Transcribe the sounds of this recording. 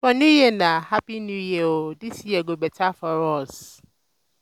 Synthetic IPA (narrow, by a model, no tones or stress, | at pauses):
fɔnũjenãhapinũjeoditʰiɛɡobɛtʰafɔɾɔs